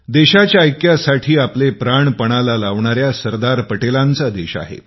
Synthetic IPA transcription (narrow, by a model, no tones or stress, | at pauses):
d̪eɕat͡ɕjaəjkjasaʈʰiːaplepɾaɳpəɽ̃alalaʋɳaɾjasəɾd̪aɾpəʈelant͡sad̪eɕa̰ɦḛ